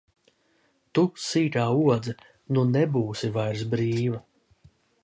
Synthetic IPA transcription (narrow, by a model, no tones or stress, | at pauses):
t̪usiːt̪aːuɔd̪zɐ | nunɛbuːsivajɾsbɾiːva